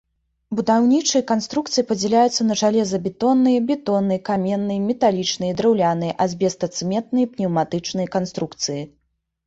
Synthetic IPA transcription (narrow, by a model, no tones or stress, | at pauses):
bud̪awnʲit͡ʂɨjɐkanst̪ɾukt̪sɨjipɐd͡zʲɛlʲajut̪sːɐnɐʐalʲɛzɐbʲɛt̪ɔnːɨjɐbʲɛt̪ɔnːɨjɐkamʲɛnːɨjɐmʲɛt̪alʲit͡ʂnɨjɐd̪ɾɛwlʲanɨjɐʔɐzʲbʲɛst̪ɐt̪sɨmʲɛt̪nɨjɐpnʲɛwmat̪ɨt͡ʂnɨjɐkanst̪ɾukt̪sɨji